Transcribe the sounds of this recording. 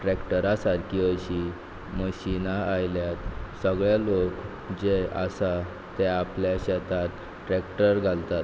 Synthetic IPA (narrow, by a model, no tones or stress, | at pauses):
ʈɾekʈəɾasaɾkʰiːəɕi | məɕinaajljat̪səɡɭjalok | d͡ʑeə̰sa | t̪eapljaɕɛt̪at̪ | ʈɾekʈəɾɡʱalt̪at̪